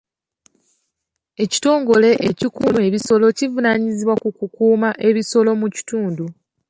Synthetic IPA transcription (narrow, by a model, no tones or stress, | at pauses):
e̞ci̥to̞ːŋɡo̞le̞ʔecikune̞βiso̞lo̞civunaɲiziβwakukukuːmaʔe̞βiso̞lo̞muci̥tuːndu